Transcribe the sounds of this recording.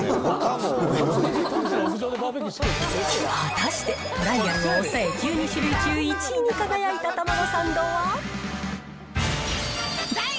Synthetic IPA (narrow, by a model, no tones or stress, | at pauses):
od̪e | at̪aɕi̥t̪e̞ | oɾaijaɾɯosae̞kʰʲɨːɲ̟iɕiɾʲɯt͡ɕɨːit͡ɕiɲ̟ikaɡajait̪at̪amanosãnd̪oːβa